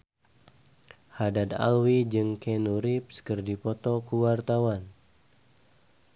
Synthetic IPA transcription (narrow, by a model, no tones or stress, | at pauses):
hadad̪a̰lwid͡ʒɨŋkɛnuɾip̚skərdipɔt̪ɔkuwart̪awan